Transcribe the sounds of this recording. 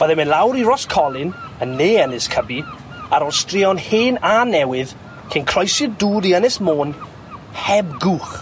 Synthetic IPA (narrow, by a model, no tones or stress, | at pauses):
v̥əðɛmɪnlˠawɾirɔskʰɔlˠɪnənːeːənɪskʰəbi | aɾɔlˠstrɪɔnheːnanɛwɪð | kʰɪnkʰr̥ɔjsɪduːdiənɛsmoːn | hɛbɡuχ